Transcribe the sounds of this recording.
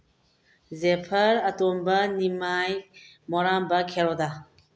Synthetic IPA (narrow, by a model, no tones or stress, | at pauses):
zɛpʰəɾat̪ɔmbanimaj | mɔɾambakʰɛɾɔd̪a